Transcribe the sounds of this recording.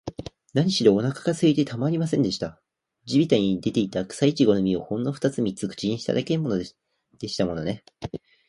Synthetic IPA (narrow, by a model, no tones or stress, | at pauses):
naɲ̟iɕid̪o̞ːnakḁkasɨit̪e̞t̪ʰamaɾʲimasẽ̞nd̪e̞ɕi̥t̪a | d͡ʑibʲit̪aɲ̟id̪e̞t̪e̞it̪akɯ̥sait͡ɕiɡo̞nomʲio̞hõ̞nːoɸɯ̥t̪at͡sɨmʲit͡sɨkɯ̟̥t͡ɕiɲ̟iɕi̥t̪a̰d̪akeɯmo̞no | d̪̥e̞ɕi̥t̪amo̞no̞ne